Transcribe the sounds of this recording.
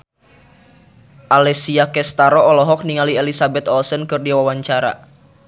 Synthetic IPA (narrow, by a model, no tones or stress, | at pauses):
ʔalɛsiakɛst̪aɾɔɔlɔɦɔk̚niŋaliɛlisabɛt̪ɔlsənkɨrdiwawaɲt͡ʃaɾa̰